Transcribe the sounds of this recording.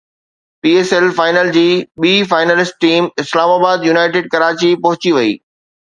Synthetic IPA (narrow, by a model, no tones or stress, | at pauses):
piːeːsɛlfaːɪnəld͡ʑiːɓiːfaːɪnəlɪsʈ̚ʈiːmɪslaːmaːbaːd̪junaːɪʈeːɖ̚kɐɾaːt͡ɕipɐɦʊt͡ɕiʋɐḭː